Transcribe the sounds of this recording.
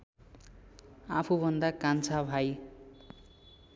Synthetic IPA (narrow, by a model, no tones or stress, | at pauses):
apʰubʱʌnd̪akant͡sʰabʱaj